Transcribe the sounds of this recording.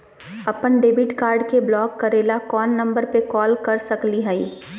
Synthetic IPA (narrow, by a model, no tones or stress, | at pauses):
ɐpənɖeːbɪʈkaːɾɖkeblɔːkːɐɾeːlakɔːnːɐ̃mbəɾpekɔːlkɐɾsɐkliɦɛiː